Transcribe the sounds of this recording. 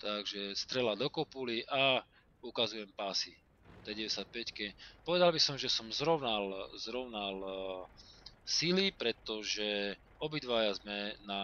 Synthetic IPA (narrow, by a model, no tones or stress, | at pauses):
t̪aɡʒɛst̪ɾɛlad̪ɔkɔpuliʔa | ukazujɛmpaːsi | t̪ɛɟɛʋɛɛsjac̪̚pɛckɛpɔʋɛd̪albisɔmʒɛsɔmzɾɔʊnalzɾɔʊnal | silipɾɛt̪ɔʒɛ | ɔbid̪ʋajazmɛna